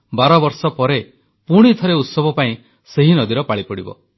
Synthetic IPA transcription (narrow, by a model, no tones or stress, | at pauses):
baɾɔbɔɾsɔpɔɾe | puɽ̃it̪ʰɔɾeut̪sɔbʱɔpaĩ | seɦinɔd̪iɾɔpaɭipɔɽibɔ̰